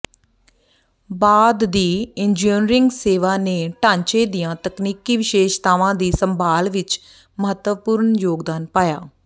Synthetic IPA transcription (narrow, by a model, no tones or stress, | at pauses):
baːd̪ːiːɪɲd͡ʒiːnɾɪŋɡseːʋaːneːʈãːɲt͡ʃeːd̪ijãːt̪əkniːkiːʋɪʃeːʃt̪aːʋãːd̪iːsəmbʱaːlʋɪt͡ʃ | məɦət̪wəpuːɾɳjoːɡd̪aːnpaːjaː